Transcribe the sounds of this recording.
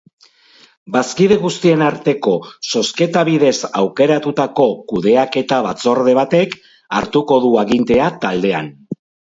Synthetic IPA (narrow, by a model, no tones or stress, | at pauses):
baskiðe̞ɣust̪ie̞naɾt̪e̞ko̞so̞ske̞t̪aβiðe̞sawke̞ɾat̪ut̪ako̞kuðe̞ake̞t̪aβ̞at͡so̞ɾðe̞β̞at̪e̞k | aɾt̪uko̞ðuaɣint̪e̞at̪ald̪e̞a̰n